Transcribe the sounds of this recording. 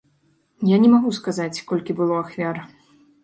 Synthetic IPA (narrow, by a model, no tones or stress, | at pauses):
janʲɛmaɣuskazat͡sʲkɔlʲkʲibɨlˠɔaxvʲaɾ